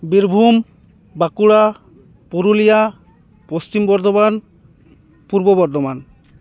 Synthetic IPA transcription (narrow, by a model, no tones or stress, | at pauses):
biɾbʱum | bakuɽa | puɾulija | post͡ʃimbɔɾd̪oban | puɾbobɔɾd̪ʱoman